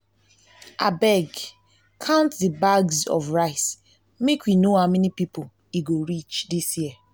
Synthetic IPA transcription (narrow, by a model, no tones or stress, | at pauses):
ʔabɛɡ | kʰãʊ̃ntdibaɡzɔ̰vɹaɪs | mekwinoamɛnipipol | iɡoɹit͡ʃdisjiə